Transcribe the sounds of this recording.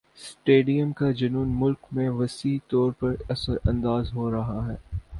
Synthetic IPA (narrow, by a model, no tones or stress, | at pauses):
sʈeːɖijəmkad͡ʒɐnuːnmʊlkmẽʋɐsiːt̪ɔːɾpɐɾɐsəɾɐ̰̃nd̪aːzɦoːɾɐɦaɦɛː